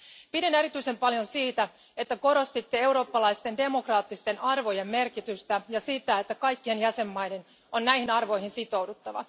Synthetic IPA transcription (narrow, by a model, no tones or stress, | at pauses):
pideneɾit̪yise̞mpɑljo̞nsiːt̪æ | et̪ːæko̞ɾo̞st̪it̪ːee̞wɾo̞ːpːɑlɑjst̪e̞nde̞mo̞krɑːt̪ːist̪e̞nɑrʋo̞je̞mːe̞rkit̪yst̪æjɑsit̪æet̪ːækɑjkːienjæse̞mːɑjden | o̞nːæjhinɑrʋo̞jhinsit̪o̞wdut̪ːɑʋɑ̰